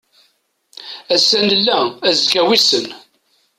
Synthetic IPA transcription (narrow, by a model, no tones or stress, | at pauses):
æsænəlːææzkæwisən